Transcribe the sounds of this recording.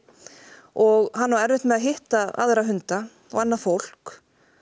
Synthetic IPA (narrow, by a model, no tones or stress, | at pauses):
ɔɣhanːavaɛɾvɪht̪mɛðaɦɪht̪aa̰ðɾaɦʏnt̪a | ɔ̰ɣɛnːafowl̥k